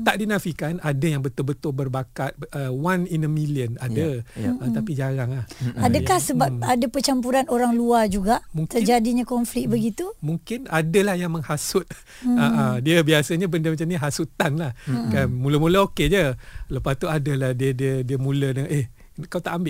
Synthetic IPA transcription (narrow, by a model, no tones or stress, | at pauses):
t̪aʔdinafikanadajaŋbət̪ʊlbət̪ʊlbərbakat̪̚əwaninəmiliənadəəapid͡ʒaɾaŋahadakahsəbaadapət͡ʃampuɾanoɾaŋluad͡ʒuɡaʔmũŋkt̪əd͡ʒadiɲakɔnflik̚bəɡit̪umuŋkɪnadəlahjaŋməŋhasʊt̪̚ | aʔadiəbiasəɲabəndəmat͡ʃamɲiɦasut̪anlahkanmuləmuləoked͡ʒələpast̪uadəlahdiədiədiəmũlənəʔeh | kawt̪aʔambɪʔ